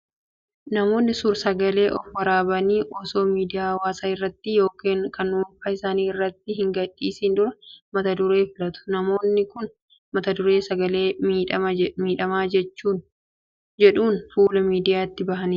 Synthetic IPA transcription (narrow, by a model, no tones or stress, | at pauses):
nɐmo̞ːnːɪsʊɾsɐɡɐle̞ːʔɔfwɐɾaːbɐniːʔɔːso̞ːmiːd̪ɪjaːwaːsaːɪrːɐt̪ːɪjo̞ːkiːŋkɐnːʊːfɐɪsaːniːɪrːɐt̪ːɪɦɪŋɡɐdːiːsɪnd̪ʊɾɐmɐt̪ɐd̪ʊɾe̞ːfɪlɐt̪ʊ̥nɐmo̞ːnːɪkʊn | mɐt̪ɐd̪ʊɾe̞ːsɐɡɐleːmiːᶑɐɐmiːᶑɐmaːd͡ʒɛt͡ʃːuːn | d͡ʒɛᶑuːnfuːlɐmiːd̪ɪjaːt̪ːɪbɐɦɐniː